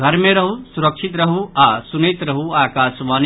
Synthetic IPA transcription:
ɡʱɐɾmẽɾɐɦusuɾəkʃʰit̪ɾɐɦuaːsunet̪ɾɐɦuaːkaːsʋaːn

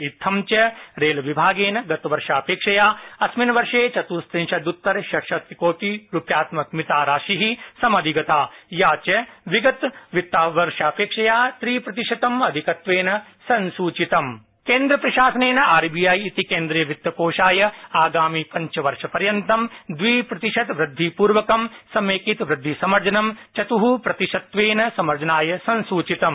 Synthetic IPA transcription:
it̪ʰɐmt͡ʃɐɾeːlɐʋibʱaːɡeːnɐɡɐt̪ɐʋɐɾʃaːɐpeːkʂɐjaːɐsminɐʋɐɾʂeːt͡ʃɐt̪uːst̪ɾĩnʃɐd̪ut̪ːɐɾʃɐkʃɐt̪koːt̪iɾupjaːt̪mɐk̚mit̪aːɾaːʃiɦisɐmɐd̪ʱiɡɐt̪aːjaːt͡ʃɐʋiɡɐt̪ʋit̪ːaːʋɐɾʃaːpeːkʂɐjaːt̪ɾiːpɾɐt̪iʃɐt̪ɐmɐd̪ʱikɐt̪ʋeːnɐ | sɐ̃nsuːt͡ʃit̪ɐm | keːnd̪ɾɐpɾɐʃaːsɐneːnɐʔaːɾbijaːjit̪ikeːnd̪ɾɐjɐʋit̪ːɐkoːʃaːjɐaːɡaːmipɐ̃ɲt͡ʃɐʋɐɾʂɐpɐɾjɐnt̪ɐmd̪ʋiːpɾɐt̪iʃɐt̪ʋɾɨd̪ʱːipuːɾʋɐkɐmsɐmeːkit̪ʋɾɨd̪ʱːisɐmɐɾd͡ʒɐnɐmt͡ʃɐt̪uɦupɾɐt̪iʃɐt̪ʋeːnɐsɐmɐɾd͡ʒɐnaːjɐsɐ̃nsuːt͡ʃit̪ɐm

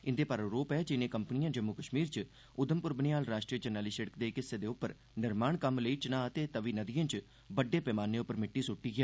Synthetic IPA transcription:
ɪnd̪eːpəɾoɾoːpɛːd͡ʒɪnẽːkəmpnijãːd͡ʒəmːuːkəʃmiːɾt͡ʃ | ʊd̪əmpʊɾbənɪjaːlɾaːʃʈɾiːəd͡ʒənːaːliːsəɽəkd̪eːkɪsːeːd̪eːʊpːəɾ | nɪɾmaːɳkəmləiːt͡ʃnãːət̪eːt̪əʋiːnəd̪ɪjãːt͡ʃ | bəɖːeːpɛːmaːnːeːʊpːəɾmɪʈːiːsʊʈːiːɡaː

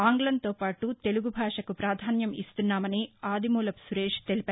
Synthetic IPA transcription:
aːŋɡlɐnt̪o̞ːpaːʈut̪e̞luɡubʱaːʂɐkupɾaːd̪ʱaːnjɐmist̪unːaːmɐniaːd̪imuːlɐpsuɾeːʂt̪e̞lipaː

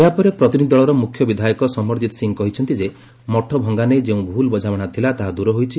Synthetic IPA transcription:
eapɔɾepɾɔt̪inid̪id̪ɔɭɔɾɔmukʰjɔbid̪ʱajɔkɔsɔmɔɾd͡ʒit̪ɔ̥siŋkɔɦit͡ʃʰɔnt̪id͡ʒe | mɔʈʰɔbʱɔŋɡaned͡ʒeũbʱulbɔd͡ʒawɔɽ̃at̪ʰilat̪aɦad̪uɾɔɦojt͡ʃʰi

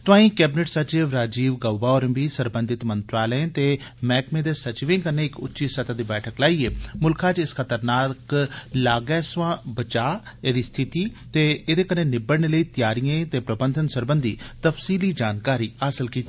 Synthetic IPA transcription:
t̪ʊãːĩːkɛːbɪnəʈsət͡ʃɪʋɾaːd͡ʒiːʋɡəːbaːoːɾəbiːsəɾbə̃nd̪ʱɪt̪mənt̪ɾaːləẽt̪eːmɛːkmẽːd̪eːsət͡ʃʋẽːkəɾneːɪkʊ̰tːʃiːsət̪aːd̪iːbɛːʈʰəklaːiːeːmʊlkʰaːt͡ʃɪsxʰət̪əɾnaːklaːɡɛːsʋãːbət͡ʃaːeːd̪iːst̪ʰɪt̪iːt̪eːeːd̪eːkəneːnɪbəɽɳeːləiːt̪jaːɾijãːt̪eːpɾəbənd̪ʱənsəɾbənd̪ʱḭːt̪əfsiːliːd͡ʒaːnkaːɾiːaːsɪlkiːt̪i

